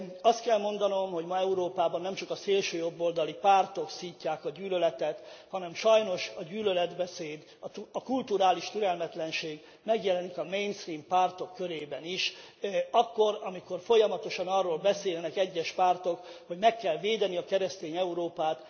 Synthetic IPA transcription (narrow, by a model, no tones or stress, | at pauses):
ɒst̪kɛlmo̞nd̪ɒno̞mho̞ɟmɒɛuɾoːpaːbɒnːɛmt͡ʃɒkɒseːlʃøːjo̞bːoːld̪ɒlipaːrt̪o̞ksiːcːaːkɒɟyːlølɛt̪ɛt̪hɒnɛmʃɒjno̞ʃɒɟyːlølɛd̪bɛseːd̪ | ɒkult̪uɾaːliʃt̪yɾɛlmɛt̪lɛnʃeːɡ | mɛɡjɛlɛnikɒmejnst̪riːmpaːrt̪o̞kːøɾeːbɛniʃ | ɒkːo̞ɾɒmiko̞rfo̞jɒmɒt̪o̞ʃɒnɒrːoːlbɛseːlnɛkɛɟːɛʃpaːrt̪o̞kho̞ɟmɛkːɛlveːd̪ɛniɒkɛɾɛst̪eːɲɛuɾoːpaːt̪